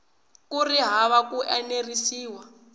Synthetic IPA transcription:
kuriɦaβakuʔɛnerisiːwa

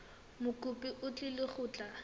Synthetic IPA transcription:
mʊkʼʊpʼɪʔʊt͡ɬʼɪlɪχʊːt͡ɬʼa

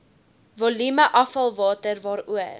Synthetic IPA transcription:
vɔlyməʔɐfɐlˠvɑːtərvɑːɾuə

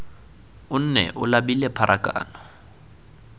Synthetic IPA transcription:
ʊn̩nɛ̰ʔʊlabilɛpʰaɾʔakʼa̰ːnɔ

